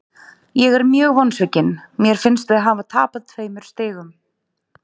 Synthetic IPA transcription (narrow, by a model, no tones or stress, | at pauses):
jɛɣɛɾmjœːɣvɔnsvɛcɪnmjɛɾ̥fɪnst̪vɪðaɦaːvat̪ʰa̰ːpað̥t̪ʰveːjmʏɾ̥st̪ɪːɣʏm